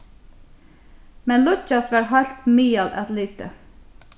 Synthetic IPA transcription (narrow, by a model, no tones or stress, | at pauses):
mɛnlʊt͡ʃɑst̪ʋɑːɹɦɑlt̪miːɑlʔɑ̰t̪liːt̪ə̰